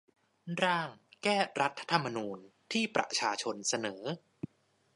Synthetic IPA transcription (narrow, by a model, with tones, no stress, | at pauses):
ɾaː˥˩ŋkɛː˥˩ɾa˦˥t̪ʰːa˧t̪ʰa˧mːa˧nuː˧nt̪ʰiː˥˩pɾa̰˨˩t͡ɕʰaː˧t͡ɕʰo˧nsa˧nɤː˩˦